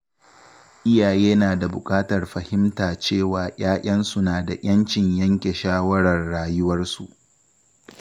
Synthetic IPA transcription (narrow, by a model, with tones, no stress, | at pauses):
ʔɪ˦jaː˨jeː˦naː˨da˨bʊ˨kʼaː˦tɐ˨rɸɐ˨hɪ˦mtaː˨t͡ʃeː˦˨waː˨ʔaː˦ʔʲʼɐ˦nsu˨naː˨da˨ʔʲɐ˦nt͡ʃɪ˨ɲjɐ˦ŋkʲe˨ʃaː˦wɐ˦ɽɐ˨rɽaː˦jʊ˦wɐ˦rsu˨ʔ